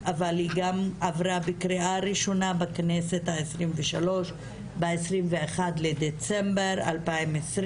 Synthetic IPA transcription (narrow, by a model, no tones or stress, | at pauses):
avalhiɡamavʁabekʁiaʁiʃo̞nabaknese̞t̪haesʁimveʃalo̞ʃ | beesʁimveeχad̪led̪et͡sembeʁa̰lpaimesʁ